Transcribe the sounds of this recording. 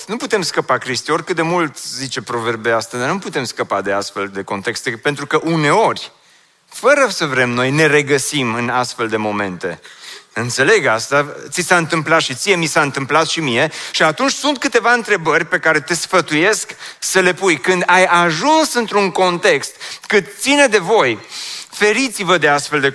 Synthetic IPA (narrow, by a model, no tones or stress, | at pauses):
nuput̪e̞mskəpakɾist̪io̞rʲkɨt̪̚d̪e̞mult̪zit͡ʃe̞pɾo̞ve̞rbeast̪ad̪anuput̪e̞mskəpad̪e̞ast̪fe̞ld̪e̞ko̞nt̪e̞kst̪e̞pe̞nt̪ɾukəʔune̞o̞rʲ | fəɾəsəvɾe̞mno̞jne̞re̞ɡəsimɨnast̪fe̞ld̪e̞mo̞me̞̰nt̪e̞̰ɨnt̪se̞le̞ɡast̪at̪sisaɨnt̪ɨmplat̪ʃit̪sije̞misaɨnt̪ɨmplat̪ʃimie̞ʃiat̪unt͡ʃʲsunt̪kɨt̪e̞vaɨnt̪ɾe̞bərʲpe̞kaɾe̞t̪e̞sfət̪uje̞sksəle̞pujkɨnd̪ajaʒunsɨnt̪ɾuŋko̞nt̪e̞kst̪kɨt̪t̪sined̪e̞vo̞jfe̞ɾit̪sivəd̪e̞ast̪fe̞ld̪e